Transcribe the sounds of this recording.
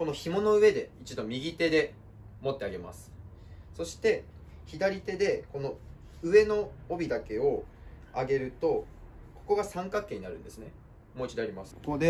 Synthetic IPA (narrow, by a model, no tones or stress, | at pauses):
ko̞no̞çimo̞no̞ɯ̟e̞d̪e̞it͡ɕid̪o̞mʲiɡʲit̪e̞d̪e̞ | mo̞t̪ːe̞aɡe̞ma̰sɨ̥ | so̞ɕi̥t̪e̞çid̪aɾʲit̪e̞d̪e̞ko̞no̞ | ɯ̟e̞no̞ːbʲid̪ake̞o̞ | aɡe̞ɾɯ̟t̪o̞ | ko̞ko̞ɡasãŋkakːẽ̞ːɲ̟inaɾɯ̟̃nd̪e̞sɨne̞ | mo̞it͡ɕid̪eaɾʲimasɨ̥od̪e